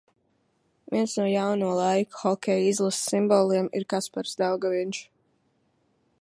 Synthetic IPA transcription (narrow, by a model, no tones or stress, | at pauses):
viɛnsnuɔjawnuɔlˠajku̥xɔkʲɛjizlˠassimbɔːlˠiɛmḭɾkaspaɾsd̪awɡavint͡ʃ